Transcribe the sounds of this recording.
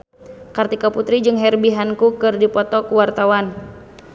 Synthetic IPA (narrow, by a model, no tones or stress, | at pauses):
kart̪ikaput̪ɾid͡ʒɨŋɦɛrbiɦankukɨrdipɔt̪ɔkuwart̪awan